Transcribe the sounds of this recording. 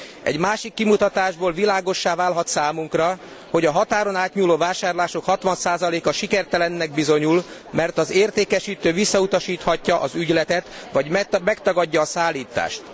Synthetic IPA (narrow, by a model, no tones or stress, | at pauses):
ɛ̰ɟmaːʃikːimut̪ɒt̪aːʒboːlvilaːɡo̞ʃːaːvaːlɦɒt̪saːmuŋkrɒ | ho̞ɟɒɦɒt̪aːɾo̞naːt̪ɲuːloːvaːʃaːrlaːʃo̞khɒt̪ʋɒnsaːzɒleːkɒʃikɛrt̪ɛlɛnːɛɡ̚bizo̞ɲulmɛrt̪ɒzeːrt̪eːkɛʃiːt̪øːvisːɒut̪ɒʃiːt̪hɒcːɒʔɒzyɟlɛt̪ɛt̪ʋɒɟmɛkt̪ɒɡɒɟːɒːsaːlːiːt̪a̰ːʃt̪